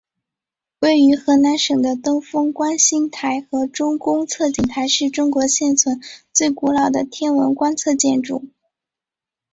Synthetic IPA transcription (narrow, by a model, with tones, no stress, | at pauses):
we˥˩ɪy˧˥xɤ˧˥na˧˥nʂɤ˨˩ŋd̪ə˦t̪ɤ˥ŋfɤ˥ŋkwa˥nɕi˥ŋt̪ʰa˧˥ɪxɤ˧˥ʈ͡ʂʊ˥ŋkʊ˥ŋt͡sʰɤ˥˩t͡ɕi˨˩ŋt̪ʰa˧˥ɪʂɻ̩˥˩ʈ͡ʂʊ˥ŋkwɔ˧˥ɕjɛ˥˩nt͡sʰwə˧˥nt͡swe˥˩ɪku˧˥lɑ˨˩ʊd̪ə˦t̪ʰjɛ˥nwə˧˥nkwa˥nt͡sʰɤ˥˧t͡ɕjɛ˥˧nʈ͡ʂṵ˥˩